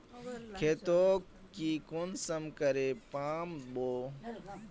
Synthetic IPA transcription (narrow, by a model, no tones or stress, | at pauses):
kʰeːt̪oː | kiːkunsəmkɐɾeːpaːmɓoː